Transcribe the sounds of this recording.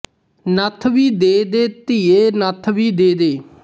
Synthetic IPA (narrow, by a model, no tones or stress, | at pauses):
nət̪ʰʋiːd̪eːd̪eːt̪iːeːnət̪ʰʋiːd̪eːd̪eː